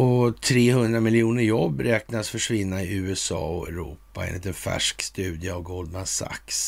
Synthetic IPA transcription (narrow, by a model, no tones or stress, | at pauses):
ɔt̪ʰɾeːhɵnd̪ɾamɪljuːnəɾjɔbːɾɛːknasfœʂvɪnːaɪʉ̟ːɛsɑ̰ːɔɛɾṵːpaɛ̰nɪt̪ɛnfæ̰ʂkst̪ʉ̟ːd̪ɪəavɡɔld̪masa̰ks